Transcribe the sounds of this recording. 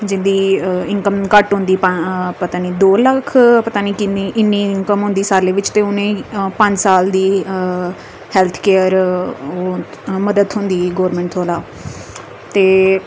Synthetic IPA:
d͡ʒɪnd̪iːɪŋkəmkəʈɦʊ̃nd̪iːppət̪aːniːd̪oːləkʰpət̪aːniːkiniːʔɪnːiːɪŋkəmɦʊ̃nd̪iːsaːleːʋɪt͡ʃt̪eːʊnẽːpə̃ɲd͡ʒsaːld̪iː | hɛːlt̪ʰkeːəɾoː | məd̪əd̪ɦʊ̃nd̪iːɡoːɾmɛ̃ːɳʈt̪ʰoːlaː | t̪eː

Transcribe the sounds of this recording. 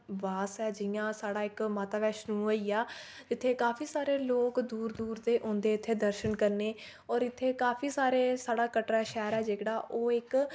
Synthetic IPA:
ʋaːsɛːd͡ʒɪjãːsaːɽaːɪkmaːt̪aːʋɛːʃnũːoiːaː | d͡ʒɪt̪ʰːeːkaːpʰiːsaːɾeːloːkd̪uːɾd̪uːɾd̪eːʔõːnd̪eːɪt̪ʰːeːd̪əɾʃənkəɾneː | ɔːɾɪt̪ʰːeːkaːpʰiːsaːɾeːsaːɽaːkəʈɾaːʃɛːɾɛːd͡ʒeːkɽaːʔoːɪk

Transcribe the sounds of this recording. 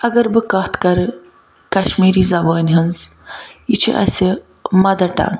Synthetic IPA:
ɐɡɐɾbɨkɐht̪ʰkɐɾɨ | kɐʃmiːɾiːzɐbəːnʲɦɐnz | jit͡ʃʰḭʔɐ̰sʲi | mɐd̪ɐʈa̰ːn

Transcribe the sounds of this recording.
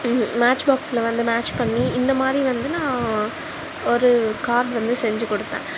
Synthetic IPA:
maːt͡ʃbaːksɪlɐʋɐnd̪ɯmaːt͡ʃpɐɳːiɪnd̪ɐmaːd̪ɾiʋɐnd̪ɯnãː | ɔɾɯkaːɾɖʋɐnd̪ɯsɛɲd͡ʒɯkɔɽɯt̪ːḛ̃ː

